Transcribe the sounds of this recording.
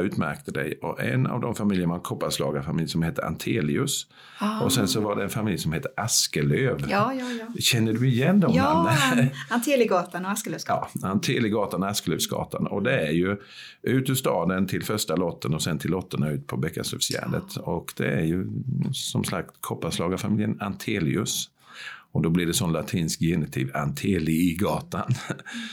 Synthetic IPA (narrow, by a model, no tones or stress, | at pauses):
ʉːt̪mæ̰ɾkt̪əd̪ɛ̰jɔʔɛ̰na̰vd̪ɔmfamɪljəɾmankʰɔpːaslɑːɡafamɪljsɔmheːt̪ːəʔa̰nt̪ʰeːlɪɵs | ʔɔsɛnsɔvaɖɛɛnfamɪljsɔmheːt̪ːəʔaskəløːv | ɕɛnːəɖɵɪjɛnːd̪ɔmanant̪ʰelɪɡɑːt̪anaskəløːsɑːant̪ʰeːlɪɡɑːt̪anaskəløːvsɡɑ̰ːt̪anɔ̰d̪ɛæɾjɵ | ʉ̟ːt̪ʉst̪ɑːd̪ənt̪ʰɪlfœʂʈalɔt̪ʰːənɔsɛnt̪ʰɪlːɔt̪ːəɳaʉ̟ːt̪pʰɔbɛkːasœ̰vsjæ̰ːɖə̰t̪ɔkd̪̥ɛ̰æɾjɵsɔmslak̚t̪kʰɔpːaslɑːɡafamɪljənant̪ʰeːlɪ̰ɵs | ɔd̪ɔblɪɖɛsɔnlat̪ʰiːnskjɛnɪt̪ʰɪːva̰nt̪ʰeːlɪɡɑːt̪an